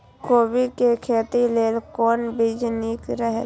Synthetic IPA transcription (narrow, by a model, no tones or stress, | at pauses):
koːbikekʰeːt̪ileːlkɔːnbʱid͡ʒniːkɾəɦ